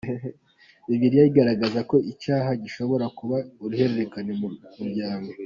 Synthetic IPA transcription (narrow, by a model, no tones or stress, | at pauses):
iviɾijajiɡaɾaɡazako̞icaːɦaɟiʃo̞βo̞ɾakuβauɾuhe̞ɾe̞ɾekanemuɾɟaːŋɡo